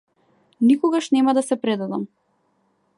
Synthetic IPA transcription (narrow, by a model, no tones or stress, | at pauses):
nikɔɡaʃnɛmad̪asɛpɾɛd̪ad̪am